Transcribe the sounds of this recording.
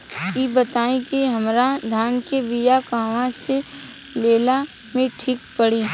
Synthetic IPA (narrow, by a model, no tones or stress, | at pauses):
kibət̪aːẽkiɦɐmɾad̪ʱaːnkebijakaːʋãse | leːla | mẽʈʰiːk̚pəɽiː